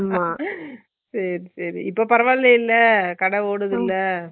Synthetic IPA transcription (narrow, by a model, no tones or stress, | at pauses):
maː | sɐɾisɐɾḭɪpːoːpɐɾɐʋaːlːɐɪlːɐkɐɽɐʋoːɽɯðɪlːɐ